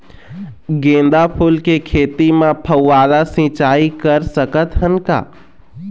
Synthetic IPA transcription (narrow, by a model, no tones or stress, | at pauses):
ɡẽːnd̪apʰʊlkekʰeːt̪imãpʰəwːaːd̪asɪ̃t͡ʃaːikəɾsəkət̪ɦənka̰ː